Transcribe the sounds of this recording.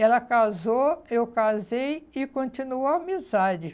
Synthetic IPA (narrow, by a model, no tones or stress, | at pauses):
ɛlɐkazoewkazejɪkõnt͡ʃinuoamizad͡ʒɪ